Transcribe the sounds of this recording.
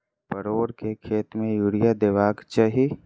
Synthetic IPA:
pəɾoːɽkekʰeːt̪mẽjuːɽijad̪eːʋaːɡt͡ʃaɦi

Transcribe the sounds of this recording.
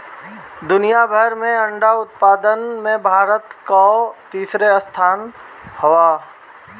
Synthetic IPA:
d̪ʊnijabʱəɾmẽɐ̃ɳɖaʊt̪̚paːd̪ənmẽbʱaːɾət̪kat̪iːsɾeəst̪ʰaːn | həʋaː

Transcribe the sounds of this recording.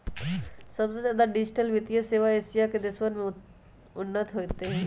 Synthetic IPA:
sɐbsezjaːd̪aɖɪd͡ʒɪʈəlʋɪt̪ijəseːʋaeːsijaked̪ɪswənmẽ | ʊnːət̪ʰɦoːt̪eɦɛ̃ː

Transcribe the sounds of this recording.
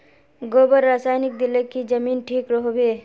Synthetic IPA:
ɡoːbəɾːaːsaːjnɪk̚d̪ɪlekid͡ʒəmiːnʈʰiːkɾəɦobeː

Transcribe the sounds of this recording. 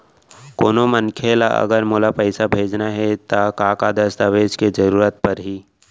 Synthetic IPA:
koːnomənkʰelaʔə̰ɡəɾmoːlapəɪsabʱeːd͡ʒnaɦɛt̪akaːkad̪əst̪aʋeːd͡ʒked͡ʒəɾuːɾət̪̚pəɾɦiː

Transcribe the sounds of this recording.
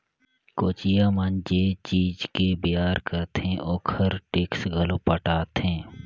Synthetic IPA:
koːt͡ʃijaːmand͡ʒet͡ʃiːd͡ʒkebɪjaːɾkəɾt̪ẽʔoːkʰəɾʈɪksɡʱəlopəʈaːt̪ɦẽː

